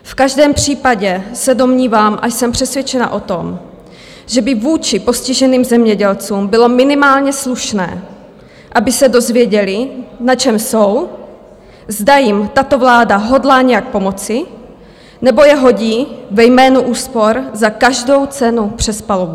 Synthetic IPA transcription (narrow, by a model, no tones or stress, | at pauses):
fkaʒdɛːmpr̝̥iːpaɟɛsɛdo̞mɲiːvaːmʔajsɛmpr̝̥ɛsvjɛt͡ʃɛna̰ʔo̞t̪o̞m | ʒ̥ɛbɪvuːt͡ʃɪpo̞scɪʒɛniːmzɛmɲɛɟɛlt͡suːmbɪlo̞mɪnɪmaːlɲɛsluʃnɛ̰ː | ʔabɪsɛdo̞zvjɛɟɛlɪnat͡ʃɛmsow | zdajɪmt̪at̪o̞vlaːdaɦo̞dlaːɲɛjak̚po̞mo̞t͡sɪ | nɛbo̞jɛɦo̞ɟiːvɛjmɛːnuʔuːspo̞ɾzakaʒdo̞wt͡sɛnupr̝̥ɛspalovu